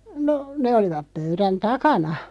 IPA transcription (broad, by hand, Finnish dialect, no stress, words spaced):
no ne oliʋɑp pøyræn tɑkɑnɑ